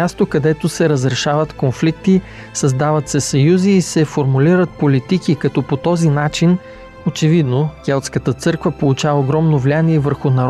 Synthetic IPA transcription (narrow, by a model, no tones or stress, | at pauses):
ast̪okɐd̪ɛt̪osɛɾəzɾɛʃavət̪konflik̚t̪i | sɐzd̪avət̪sɛsɐjuziːsɛfoɾmuliɾət̪̚polit̪ikikɐt̪ɔpot̪ɔzinat͡ʃin | ot͡ʃɛvid̪nokʲɛlˠt̪skət̪ət̪sɤɾkvəpolˠut͡ʃavɐoɡɾɔmnovlianiɛvəɾxʊnɐɾ